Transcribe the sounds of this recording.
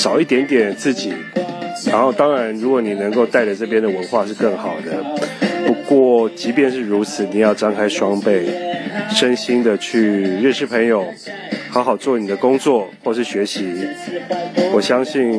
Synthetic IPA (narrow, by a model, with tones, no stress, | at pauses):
ʂɑ˨˩ʊi˥˩t̪jɛ˧˥nt̪jɛ˨˩nt͡sɹ̩˥˩t͡ɕi˨˩˦ɻa˧˥nxo˥˩ʊt̪ɑ˥ŋɻa˧˥nɻu˧˥kwɔ˨˩˦ni˨˩nə˧˥ŋko˥˧ʊt̪a˥˩ɪɾə˨˩ʈ͡ʂɤ˥˩pjɛ˥nd̪ə˨˩wə˧˦nxwa˥˧ʂɻ̩˥˧kə˥˩ŋxɑ˨˩ʊd̪ə˦pu˧˦˥kwɔ˥˩t͡ɕi˧˥pjɛ˥˧nʂɻ̩˥˩ɻu˧˥t͡s̩ʰ˨˩ni˨˩jɑ˥˩ʊʈ͡ʂɑ˥ŋkʰa˥ɪʂwɑ˥ŋpe˥˩ɪʂə˦nɕi˥nd̪ə˨t͡ɕʰy˥˧ɻə˥˧nʂɻ̩˥˩pʰə˧˥ŋjo˨˩ʊ | xɑ˧˥ʊxɑ˨˩ʊt͡swɔ˥˩ni˨˩d̪ə˦kʊ˥ŋt͡swɔ˥˨xwɔ˥˩ʂɻ̩˥˩ɕɥɛ˧˥ɕi˧˥ | wɔ˨˩ɕjɑ˥ŋɕi˥˩n